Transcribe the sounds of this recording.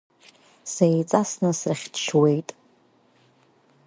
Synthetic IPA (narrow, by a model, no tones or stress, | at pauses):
sejt͡sʼasnɨsraχʲdʃwe̞jtʼ